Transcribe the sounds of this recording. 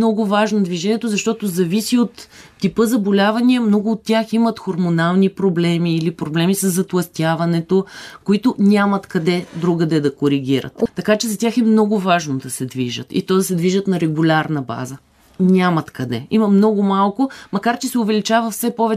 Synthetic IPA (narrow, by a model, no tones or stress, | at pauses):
nɔɡʊvaʒnod̪viʒɛnʲiɛt̪ozɐʃt̪ɔt̪ozɐvisiot̪ːipɤzɐbolʲavɐniɐmnɔɡʊːt̪ːʲjaximɐt̪xoɾmonalˠnipɾoblɛmiːlipɾoblɛmisɐzːɐt̪lˠɐst̪ʲjavɐnɛt̪okoit̪ʊnʲamɐt̪kɐd̪ɛd̪ɾuɡəd̪ɛd̪ɐkoɾiɡʲiɾə̰t̪ːɐkat͡ʃɛzɐt̪ʲaxɛmnɔɡʊvaʒnod̪ɐsɛd̪viʒə̰t̪ḭt̪ɔd̪ɐsɛd̪viʒət̪nɐɾɛɡʊlʲaɾnɐba̰zə | nʲamɐt̪kɐd̪ɛ̰imɐmnɔɡʊmalˠkʊmɐkaɾt͡ʃɛsɛʊvɛlit͡ʃavɐfsɛpɔvɛ